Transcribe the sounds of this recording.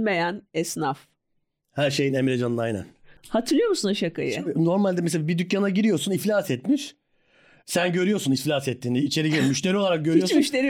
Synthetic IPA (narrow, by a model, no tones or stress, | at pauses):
mejænɛsnaf | hæɾʃe̞jinemiɾed͡ʒanɯnajnæ̰nhat̪ʰɯɾlˠɯjo̞ɾmusunaʃakʰa̰jɯ̰no̞ɾmalʲd̪ɛmɛselabid̪ycjanaɟiɾijo̞ɾsuniflʲasɛt̪miʃ | sænɟø̞ɾyjo̞ɾsuniflʲasɛt̪ʰːiːniːt͡ʃʰe̞ɾiɟiɾmyʃt̪ʰeɾio̞lˠaɾak̚ɟøɾyjomyʃt̪eɾi